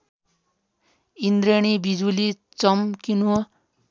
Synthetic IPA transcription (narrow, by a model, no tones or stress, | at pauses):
ind̪ɾeɽ̃ibid͡zuli | t͡sʌmkinu